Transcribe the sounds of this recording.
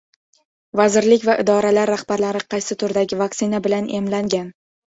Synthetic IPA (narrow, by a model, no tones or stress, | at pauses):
vazɪɾlɪkʲvaʔɪd̪ɒɾalaɾːahbaɾlaɾɪqʰɑjsɪt̪ʰʊɾd̪aɡʲɪvaksɪnabɪlanʔe̞̰mlaŋɡʲan